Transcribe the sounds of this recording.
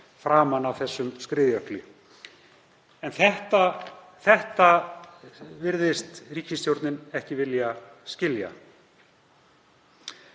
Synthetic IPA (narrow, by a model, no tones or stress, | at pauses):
fɾaːmanawθɛsːʏmskɾɪːðjœhklʏ | ɛnθɛht̪a | θɛht̪a | vɪɾðɪst̪riːcɪst̪jowɾt̪nɪnɛhcɪvɪljascɪlja̰